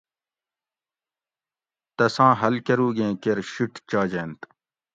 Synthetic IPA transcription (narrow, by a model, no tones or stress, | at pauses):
t̪ɐsãːɦɐlkɐɾuːɡẽːkeɾɕuʈt͡ɕaːd͡ʑeːnt̪